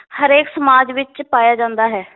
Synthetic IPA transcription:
həɾeːksəmaːd͡ʒʋɪt͡ʃpaːjaːd͡ʒãːnd̪aːɦɛː

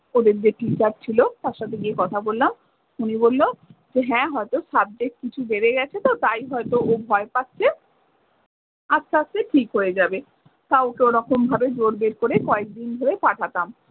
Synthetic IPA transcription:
od̪eɾd͡ʑeʈit͡ɕaɾt͡ɕʰilot̪aɾʃat̪ʰeɡiekɔt̪ʰabolːlam | unibolːod͡ʑeɦɛ̃ɦɔet̪osab̚d͡ʑek̚kit͡ɕʰubeɾeɡɛt͡ɕʰet̪ot̪ajɦɔet̪oobʱɔepat̪ːɕʰe | ast̪ʰaasteʈʰikɦojed͡ʑabe | k̪aokeoɾɔkombʱabed͡ʑoɾbeɾkoɾekɔek̚d̪ind̪ʱoɾepaʈʰat̪am

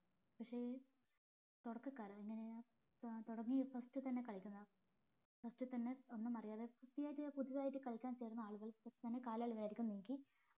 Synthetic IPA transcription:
pɐkʂeː | t̪uɽɐkːɨkːaːɾeŋːɐne | t̪oɽɐŋːifɐstɨt̪ɐnːe̞kɐɭikʲːunːɐðɨ | fɐstɨt̪ɐnːe̞onːɨmɐrijaːðefɐstijaːjʈːɨpuðiʋaːjiʈːɨkɐɭikʲːaːnt͡ɕe̞ːɾunːɐaːɭuɣɐɭpɐkʂet̪ɐnːe̞kaːlaːɭuʋɐlaiɾikʲːumniːkʲi

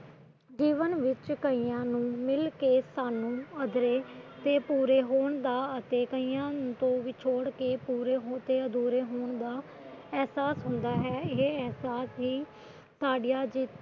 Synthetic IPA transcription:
d͡ʒiːʋənʋɪt͡ʃkəiːjãːnũːmɪlkeːsaːnũːəd̪ɾeːt̪eːpuːɾeːɦoːɳd̪aːət̪eːkəiːjãːt̪õːʋiːt͡ʃʰoːɽkeːpuːɾeːɦot̪eːəd̪uːɾeːɦoːɳ̃d̪aː | ɛɦsaːsɦʊnd̪aːɦɛːɪɛɦsaːsɦiː | t̪aːɖijaːd͡ʒɪ

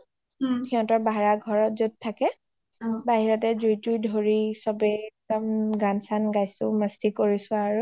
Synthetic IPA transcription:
hiɔ̃tɔɹbʱaɹaɡʱɔɹɔt̚zud̚tʰːakɛ | baɦiɹɔtɛzujtujdʱoɹisɔbɛk̚dɔmɡansanɡajsʊ̰̃mastikoɹisʊ̃aɹu

